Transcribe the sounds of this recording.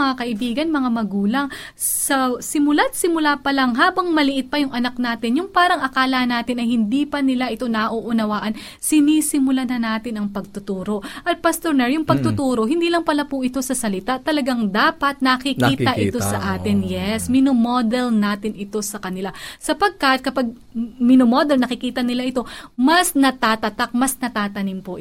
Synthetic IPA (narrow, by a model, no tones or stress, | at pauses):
ɐŋakɐʔɪbiːɡɐnmɐŋamɐɡuːlɐŋ | sɐsɪmʊlat̪̚sɪmʊlapɐlaŋɦaːbɐŋmɐlɪʔɪt̪̚pɐjʊŋʔɐnak̚naːt̪ɪnjʊŋpaːɾɐŋɐkaːlɐnaːt̪ɪnɐjhɪnd̪iːpɐnɪlaʔɪt̪o̞nɐʔoʔʊnɐwaːʔɐn | sɪniːsɪmʊlanɐnaːt̪ɪnɐŋpɐɡ̚t̪ʊt̪uːɾo̞ʔɐt̪̚pɐst̪oɹnɛɹjʊŋpɐɡ̚t̪ʊt̪uːɾo̞ɦɪnd̪iːlɐŋpɐlapʊʔɪt̪o̞sɐsɐlɪt̪at̪ɐlɐɡaŋd̪aːpɐt̪̚nɐkɪkiːɐʔʔɪ̰t̪o̞sɐ̰ʔaːt̪ɪnjɛsmɪnomod̪ɛlnaːt̪ɪnʔɪt̪o̞sɐkɐnɪlasɐpɐɡ̚kɐt̪̚kɐpaɡ̚ | mɪnomod̪ɛlnɐkɪkiːt̪ɐnɪlaʔɪt̪o̞mɐsnɐt̪aːt̪ɐt̪ak̚mɐsnɐt̪aːt̪ɐnimpoʔɪ